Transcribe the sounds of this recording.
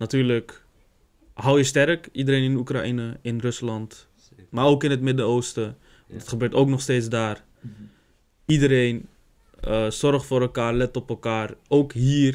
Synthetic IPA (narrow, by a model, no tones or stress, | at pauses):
natyːɹlək | ɦɑwjəstɛɾkidəɾejnɪnukra̰ʔinəɪnrɵslɑnt | maːɹowkɪnɦətmɪdəowstə | ʋndɑtχəbøːɹtowknɔχstejtzdaːr | idəɾejn | əzɔɹχtfʊːɾɛlˠkaːɹlɛtɔpɛlˠkaːrowkɦiːr